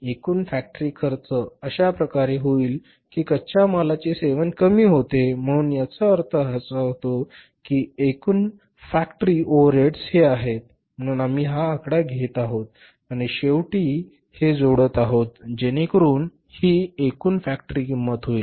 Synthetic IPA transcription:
ekuːnfæk̚ʈəɾiːkʰəɾt͡səəɕapɾəkaɾeɦoiːl | kiːkət͡ɕamalat͡ɕeseʋənkəmiːɦot̪em̤əɽ̃uːnjat͡səəɾt̪ʰəɦət͡səɦot̪o | kiːekuːn | fækʈəɾiʔoʋəɾeʈsheaɦet̪̚ | m̤əɽ̃uːnam̤iːɦaːkɽaɡʱet̪aɦot̪̚ | aɽ̃iɕeʋʈiː | hed͡zoɽət̪aɦot̪̚d͡ʑeñekəɾuːn | hiːekuːnfæk̚ʈəɾiːkimːət̪ɦoiːl

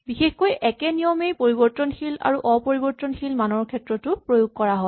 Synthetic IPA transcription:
bixexkojʔɛkɛnijɔmejpoɹibɔɹtɔnxila̰ɹuʔɔpoɹibɔɹtɔnxilmanɔɹkʰɛtɹɔtʊpɹojuɡ̚kɔɹaɦɔ

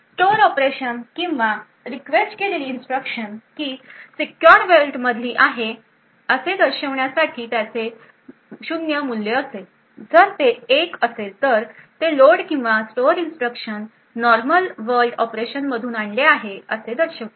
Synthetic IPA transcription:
sʈoɾɔpɾeɕənkĩw̃ʋa | ɾikʋesʈkeleliːnsʈɾəkɕənkiːsikːjɔɾʋelʈməd̪ʱiːʔaɦe | əsed̪əɾɕəʋɳjasaʈʰiːt̪jat͡se | ɕud̪njəmulːeəse | d͡zəɾt̪eːkəset̪əɾt̪eloɽkĩw̃ʋasʈoɾinsʈɾəkʂənː | ɔɾməlʋəɾʈɔpɾeɕənməd̪ʱuːnaɳleaɦeəsed̪əɾɕəʋ

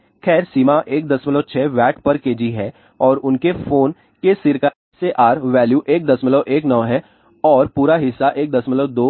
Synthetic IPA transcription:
xʰɛːɾsiːmaʔeːk̚d̪ɐsmɪloːt͡ʃʰɛːʋɛːʈpɐɾkeːd͡ʒiɦɛː | ɔːɾʊnkefoːn | kesɪɾka | seʔaːɾʋɛːljuːʔeːk̚d̪ɐsmɪloʔeːknɐʋɦɛː | ɔːɾpuːɾaɦɪsːaʔeːk̚d̪ɐsmɪloːd̪oː

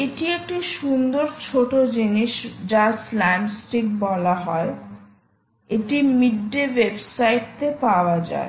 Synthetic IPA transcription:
eʈiek̚ʈiʃund̪oɾt͡ɕʰoʈod͡ʑiniʃd͡ʑaslamsʈik̚bɔlaɦɔe | eʈimiɖːeʋebsajʈ̚t̪epaoad͡ʑa̰e

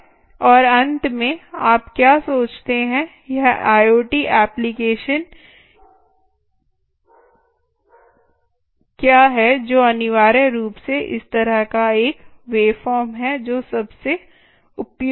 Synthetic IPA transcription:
ɔːɾɐ̃nt̪mẽaːpkjaːsoːt͡ʃt̪eɦɛ̃ | jɛɦaːjoːʈiːʔɛːplɪkeːʃən | kjaːɦɛd͡ʒoːɐnɪʋaːɾəɾuːpseʔɪ̰st̪ɐɾəɦkaeːkʋeːfɔːɾmɦɛd͡ʒoːsɐbse | ʊpj

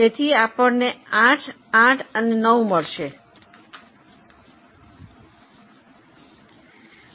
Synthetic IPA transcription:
et̪ʰiapəɳneãʈʰ | ãʈʰənenəũməɭʃe

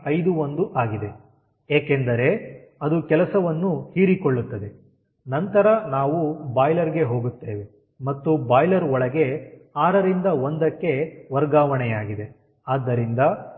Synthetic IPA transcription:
ɐjd̪uond̪uʔaːɡid̪e̞ | eːkend̪ɐɾe̞ | ɐd̪ukɛlɐsɐʋɐnːuhiːɾikoɭːut̪ːɐd̪e̞ | nɐnt̪ɐɾɐnaːʋubaːjlɐɾɡe̞ɦo̞ːɡut̪ːeːʋe | mɐt̪ːubaːjlɐɾɔɭɐɡe̞aːɾɐɾind̪ɐond̪ɐkːe̞ʋɐɾɡaːʋɐɳɛjaːɡid̪e̞ | aːd̪ːɐɾind̪ɐ

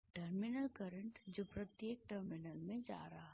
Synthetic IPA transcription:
ʈəɾmɪnəlkəɾə̃ɳʈd͡ʒopɾɐt̪jeːk̚ʈəɾmɪnəlmẽd͡ʒa̰ːɾɦa

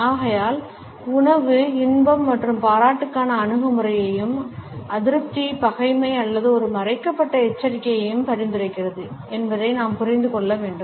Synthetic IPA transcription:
aːɣɐjaːl | ʊɳɐʋɯɪnbɐmːɐʈrɯmpaːɾaːʈːɯkːaːnɐːnɯɣɐmɯɾɐjɐjɯmɐðɪɾɯp̚t̪ipɐɣɐɪmɐɪɐlːɐðɯɔɾɯmɐɾɐɪkːɐpːɐʈːɐɛt͡ʃːɐɾɪkːɐjɐjɯmpɐɾɪnd̪ɪɾɐɪkːɪrɐðɯɛnbɐðɐɪnaːmpʊrɐɪnd̪ɯkɔɭːɐʋeːɳɖɯm

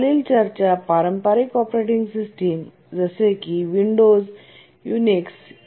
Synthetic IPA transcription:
liːlt͡ɕəɾt͡ɕapaɾəmpaɾikɔpɾeʈiŋɡsisʈim | d͡zəsekiʋiɳɖoz | juniks

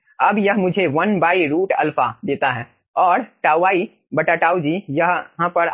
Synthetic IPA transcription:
ɐbjɐɦmʊd͡ʒʱeʋɐnbaːiɾuːʈɐlfad̪eːt̪aɦɛː | ɔːɾʈaːaːi | bɐʈaʈaːud͡ʒiːjɐɦɦãpəɾ

